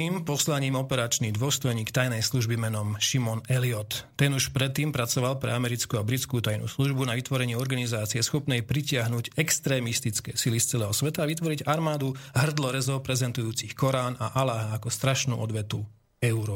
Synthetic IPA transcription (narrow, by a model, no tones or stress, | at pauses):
iːmpɔslaɲiːmɔpɛɾat͡ʃnid̪ʋʊɔst̪ɔjɲiːkt̪ajnɛjsluʒbimɛnɔmʃimɔnɛliɔt̪ːɛnuʃpɾɛt̪ːiːmpɾat͡sɔʋalpɾɛ̰amɛɾit͡skuabɾit͡skuːt̪ajnṵːsluʒbunaʋit̪ʋɔɾɛɲɪiɔɾɡanizaːt͡siɪɛsxɔpnɛjpɾicɪaɦnuɟɛkst̪ɾɛːmist̪it͡skɛːsilist͡sɛlɛːɦɔsʋɛt̪aːʋit̪ʋɔɾiɟaɾmaːd̪uɦr̩d̪lɔɾɛzɔpɾɛzɛnt̪ujuːt͡sixkɔɾaːnaʔalaɦaːkɔst̪ɾaʃnṵːʔɔd̪ʋɛt̪u | ɛuɾɔ